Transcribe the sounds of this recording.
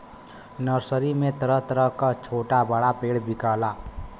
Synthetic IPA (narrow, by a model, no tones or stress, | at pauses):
nəɾsəɾimet̪əɾət̪ɾəɦkat͡ʃʰoʈabaɽapeɽbikala